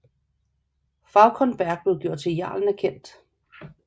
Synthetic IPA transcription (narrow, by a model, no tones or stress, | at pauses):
fɑ̈ʊkʰɒnb̥æɐɡ̥b̥le̝ʊɡ̥jo̝ɐ̰d̥̚t͡sʰe̝jɑ̰̈ːln̩æɐkʰen̰d̥